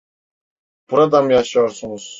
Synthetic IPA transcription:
b̥uɾad̪amjaʃɯjoɾsunuz̥

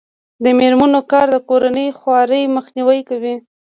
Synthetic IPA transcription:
d̪əmeɾmanokɑɾd̪əkoɾanəjxwɑɾəjməxniwəjkawi

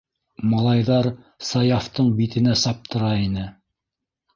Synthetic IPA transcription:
mɑlˠɑjðɑɾ | sɑjɑft̪ɤɴbit̪ɘ̆næsɑp̚t̪ʰɤ̆ɾɑinɘ

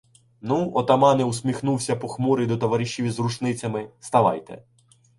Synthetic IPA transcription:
nuɔt̪ɐmɑnɛusʲmʲixnuwsʲɐpɔxmɔɾɪd̪ɔt̪ɔʋɐɾʲiʃʲiʋʲizrut͡ʃnɪt͡sʲɐmɪst̪ɐʋɑ̰jt̪ɛ̰

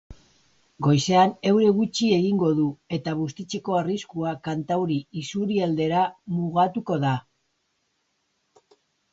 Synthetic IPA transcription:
ɡo̞jse̞ane̞wɾe̞ɣut͡ʃie̞ɣiŋɡo̞ðue̞t̪aβ̞ust̪it͡se̞ko̞ariskuakant̪awɾiisuɾiald̪e̞ɾamuɣat̪uko̞ða

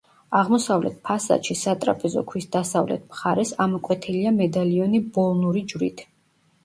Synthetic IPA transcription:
aʁmɔsavlɛ̰t̪̚ʰpʰasa̰ʃisat̪ʼɾa̰pʼɛzɔ̰kʰwisd̪asavlɛ̰t̪ʰmχaɾɛsamɔkʼwɛt̪ʰiliamɛd̪aliɔnibɔlˠnuɾid͡ʒvwɾḭt̪ʰ

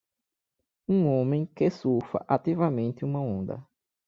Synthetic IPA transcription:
ũõmẽj̃kesufɐ̰ʔat̪ivɐmẽnt̪ɪũmɐõnd̪ɐ̰

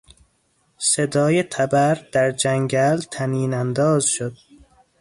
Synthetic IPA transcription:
sed̪ɒːjet̪ʰæbæɾd̪̥æɾd͡ʒæŋɡælt̪ʰæniːnænd̪ɒːzʃod̪̥̚

